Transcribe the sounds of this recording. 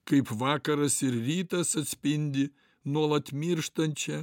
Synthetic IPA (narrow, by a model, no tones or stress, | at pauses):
kɐɪpʋɑːkɐɾɐsɪɾɾʲiːt̪ɐsɐt̪ʲsʲpʲɪnʲd̪ʲɪ | nuɔlˠɐt̪mʲɪɾʃt̪ɐnʲt͡ʃʲɛ